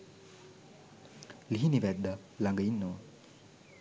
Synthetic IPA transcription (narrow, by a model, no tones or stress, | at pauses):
liɦiniʋɛd̪ːa | laŋɡəinːoʋɐ